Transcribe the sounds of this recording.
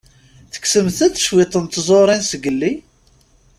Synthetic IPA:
θə̥ksəmθæt͡sːə̥ʃwɪt̪ˤənt̪zˤoɾˤinsəɡəlːi

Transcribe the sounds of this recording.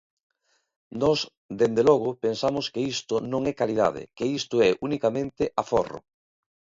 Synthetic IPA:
nɔs | d̪end̪elɔɣ̞ʊpensamoskeist̪ʊnõŋɛkalið̞a̰ð̞ɪ̰keist̪ʊɛʔunikamẽnt̪ɪʔaforʊ̰

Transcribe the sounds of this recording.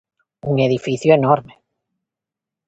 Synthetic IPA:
uŋeð̞ifiθjoenoɾme

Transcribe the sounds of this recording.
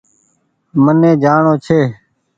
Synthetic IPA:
mənẽːd͡ʒaːɳoːt͡ʃʰeː

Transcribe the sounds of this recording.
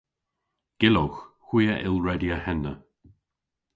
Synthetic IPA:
ɡ̥ɪloxxw̥iːəʔɪlˠɹɛdiəhɛnːə

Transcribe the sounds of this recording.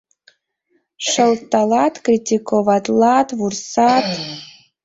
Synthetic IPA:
ʂəltːalatkritʲʰikʰovatʼlˠatvursat

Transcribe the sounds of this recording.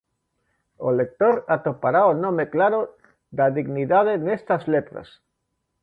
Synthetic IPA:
olek̚t̪oɾat̪opaɾaonõmeklaɾo | d̪aðiɣniðaðenest̪azlet̪ɾa̰s

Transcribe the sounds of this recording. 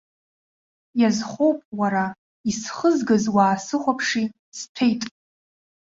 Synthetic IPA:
jazχʷowpʼwaɾa | isχəzɡɨzwaːsɨχʷapʰʂi | stʰejtʼ

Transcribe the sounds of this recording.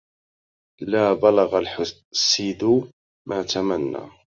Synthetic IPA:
laːbalɑɣalħ | sːiːd̪ʊ | mʔaːt̪amanːa̰ː

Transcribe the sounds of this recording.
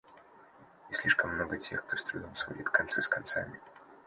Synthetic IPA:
isʲlʲiʂkəmːnoɡətʲʰexk̚t̪ost̪ɾʊnʲilˠsvɐ̰jḭt̪kɐnt̪sɛskɐnt̪samʲɪ

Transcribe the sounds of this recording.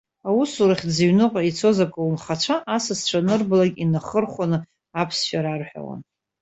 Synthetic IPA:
awusuɾaχʲziɥnɨqʼait͡sʰo̞zakʷʼawumχat͡ʃʷʰaʔasɨst͡ʃʷʰanɨrblaɡʲinaχərχʷanɨ | apʰsʃaɾarħʷᶣa̰wa̰n

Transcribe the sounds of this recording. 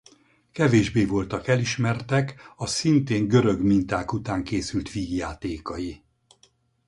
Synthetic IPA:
kɛveːʒbeːvo̞lt̪ɒkɛliʃmɛrt̪ɛkɒsint̪eːŋɡø̞ɾø̞ɡmint̪aːkut̪aːŋkeːsylt̪ʋiːɡjaːt̪eːkɒji

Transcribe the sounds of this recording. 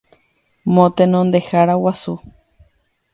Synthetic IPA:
mõt̪enõnd̪ehaɾawasu

